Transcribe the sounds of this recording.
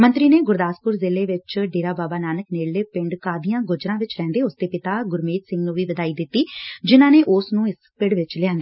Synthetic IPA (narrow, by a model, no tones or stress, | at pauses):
mə̃nt̪ɾiːneːɡʊɾd̪aːspʊɾzɪːleːʋɪt͡ʃɖeːɾaːbaːbaːnaːnəkneːɽleːpɪɳɖkaːd̪ijãːɡʊd͡ʒɾãːʋɪt͡ʃɾɛ̃ːnd̪eːʊsd̪eːpɪt̪aːɡʊɾmeːt̪sɪ̃ŋɡnũːʋiːʋəd̪aːiːd̪ɪt̪ːiːd͡ʒɪnãːneːʔʊsnũːɪspɪɽʋɪt͡ʃlɪãːnd̪eː